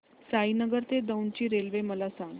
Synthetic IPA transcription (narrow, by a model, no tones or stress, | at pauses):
sainəɡəɾt̪ed̪əwnt͡ɕiːɾelʋeməlasãŋɡ